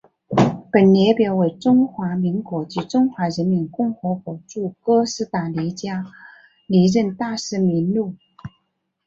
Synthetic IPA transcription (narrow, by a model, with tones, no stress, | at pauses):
pə˨˩nljɛ˧˥pjɑ˧˥ʊwe˧˥˩ɪʈ͡ʂʊ˥ŋxwa˧˥mi˧˥ŋkwɔ˧˥t͡ɕy˧˥ʈ͡ʂʊ˥ŋxwa˧˥ɻə˧˥nmi˧˥nkʊ˥˩ŋxɤ˧˥kwɔ˨˩ʈ͡ʂu˥˩kɤ˥sɹ̩˧˥t̪a˨˩li˧˥t͡ɕja˥ | li˧˥ɻə˥˧nt̪a˥˧ʂɻ̩˥˩mi˧˥nlu˥˩